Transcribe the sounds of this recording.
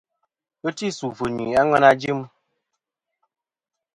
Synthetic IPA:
ə˦ti˦˨su˨fə˨nwi˨a˦ŋɛ˦na˦d͡ʒi˦m

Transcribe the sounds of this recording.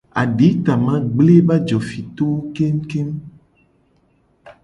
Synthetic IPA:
a̰˨ɖi˨˦t̪a˨mã˦ɡ͡ble˦ba˦d͡ʒɔ˨fi˨t̪o˦wo˦ke˦m̩˦ke˦m

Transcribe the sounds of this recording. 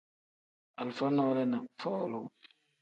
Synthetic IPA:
a˨lfa˦nɔː˦lɛ˦na˨fɔː˦˨lʊ˦

